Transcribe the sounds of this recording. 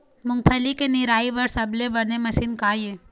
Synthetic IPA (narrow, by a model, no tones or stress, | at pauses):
mʊ̃ŋɡ̚pʰəlikenɪɾaːiʋɐɾsɐblebɐɾnemɐsinkaːjeː